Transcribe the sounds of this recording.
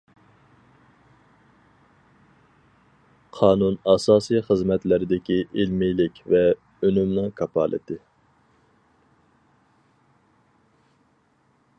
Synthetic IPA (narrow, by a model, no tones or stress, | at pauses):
qʰɑːnunɑsɑːsɨjχəzmɛt̪lɪɾɪd̪ɪkʲiʔɪlmijlɪkʲvɛ | ønymnɨŋkʰɑpʰɑ̰ːlˠʔɪ̰t̪ʰɪ